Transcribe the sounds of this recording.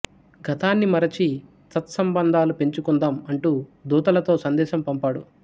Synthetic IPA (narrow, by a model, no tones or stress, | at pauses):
ɡɐt̪aːnːimɐɾɐt͡ʃi | t̪ɐt̪sɐmbɐnd̪ʱaːlupe̞ɲt͡ʃukund̪aːmɐɳʈuːd̪uːt̪ɐlɐt̪o̞ːsɐnd̪ɛːʃɐmpɐmpaːɽṵ